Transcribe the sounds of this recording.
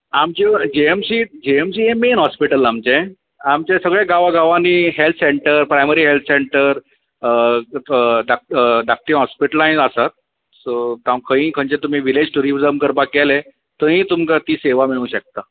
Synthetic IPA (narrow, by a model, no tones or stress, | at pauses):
amt͡ɕed͡ʑeemsiːd͡ʑeemsiːɦemenɦɔspiʈəlamt͡ɕẽ | amt͡ɕesəɡɭẽɡaʋaɡaʋaniːɦelt̪ʰseɳʈəɾpɾajməɾiːɦelt̪ʰseɳʈəɾ | ɖak̚ɖak̚ʈĩːɦɔspiʈəlãd͡zəsat̪̚ | sot̪ãwkʰə̃ĩːkʰəɲt͡ɕet̪um̤iːʋiled͡ʑʈuɾibd͡zəmkəɾbak̚ːɛle | t̪əɦĩːt̪umkat̪iːseʋamiɭũw̃ɕək̚t̪a